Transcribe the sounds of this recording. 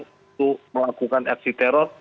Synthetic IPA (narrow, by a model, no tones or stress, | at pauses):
uməlakukanɛk̚sit̪ɛɾɔrt̚